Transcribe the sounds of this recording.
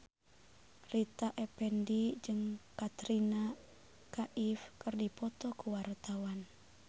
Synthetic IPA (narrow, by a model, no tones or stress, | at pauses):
rit̪aʔɛpɛndid͡ʒɨŋkat̪ɾina | kaʔifkɨrdipɔt̪ɔkuwart̪awan